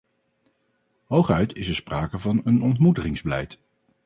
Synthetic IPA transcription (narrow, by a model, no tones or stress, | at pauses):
ɦowχœɥtɪsəɹspraːkəvɑnənɔntmutəχɪŋzbəlɛ̰jt